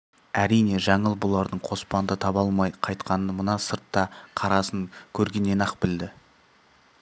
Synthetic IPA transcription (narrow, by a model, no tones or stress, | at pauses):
æɾijne̞ʒɑɴəlˠbolˠɑɾd̪əɴqʰo̞spɑnd̪ət̪ʰɑbɑlˠmɑjqʰɑjt̪qɑnəmʊnɑsəɾt̪ːɑqʰɑɾɑsəŋkʲʰɵɾɡʲe̞nːe̞nɑqbɪld̪ɪ